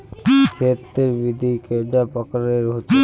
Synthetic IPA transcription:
fʰet̪ːeɾbid̪ʱikeɖapɔkaɾeɾɦot̪e

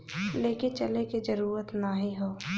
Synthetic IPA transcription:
leːkint͡ʃɐlekid͡ʒəɾuːɾət̪naɦĩɦoː

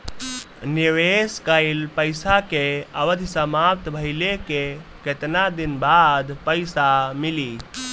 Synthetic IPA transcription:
niʋeskəɪlpəɪsakeəʋəd̪ʱsəmap̚t̪bʱəɪlekeket̪nad̪inbad̪ʱpəɪsamili

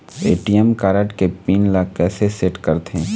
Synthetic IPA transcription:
eːʈijəmkaːɾəʈkepiːnlaːkːɛːseseːʈkɐɾt̪ẽː

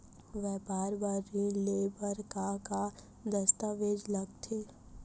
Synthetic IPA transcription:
ʋɛbaːɾbaːɾːilebəɾkaka | d̪əst̪aːʋeːd͡ʒlɐɡt̪ʰeː

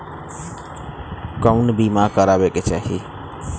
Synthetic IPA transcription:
kəʊnbimakəɾabeket͡ʃaːɦi

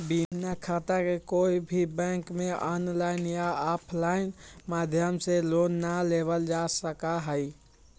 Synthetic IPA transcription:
binakʰat̪akekoibʱibə̃ŋkmeʔɔnlaɪnjaɔpʰlaɪnmad̪ʱjəmselonːaleβəld͡ʒasəkaɦəj

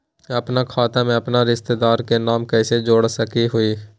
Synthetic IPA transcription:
əpnakʰaːt̪amẽəpnaɾɪst̪ed̪aːɾkenaːmkɛːsed͡ʒoːɽsəkiɦʊiː

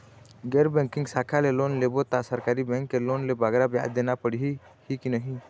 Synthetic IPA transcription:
ɡɛɾbɛŋkiŋsakʰalɛlɔnlɛbɔt̪asəɾkaɾibɛ̃ŋkːɛlonlɛbaɡɾabɛja̰ʔd̪ɛnapəɽiɦihikinəɦĩ

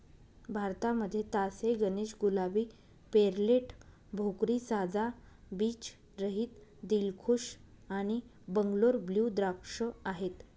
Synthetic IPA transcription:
bʱaɾt̪aməd̪ʱːjet̪aseɡəneɕɡulabiː | peɾleʈ | bʱokɾiːsad͡za | biːt͡ɕ | ɾəɦiːt̪d̪ilkʰuʂaɽ̃i | bəŋɡloɾbljud̪ɾapʂəaɦet̪

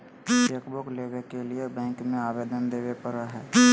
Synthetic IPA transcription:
əkbokleːʋekeliebɛ̃ːŋkmẽaːʋeːd̪ənd̪eːʋepəɾaɦɛː

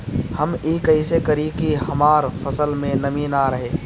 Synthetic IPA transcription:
hɐmiːkɐisekɐɾikiɦɐmaːɾfɐsəlmẽnɐmiːnaɾɐɦeː

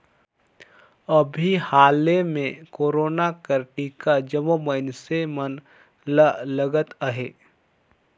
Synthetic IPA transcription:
əbʱihaːlemẽkoːɾoːnakəɾʈikad͡ʒəmoməɪnsemən | lələɡət̪əɦḛː

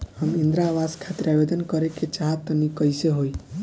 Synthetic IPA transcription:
həmind̪ɾaʋaskʰat̪ɾeabed̪ənkɔɾeket͡ʃaɦətt̪ːənikəjseɦoi

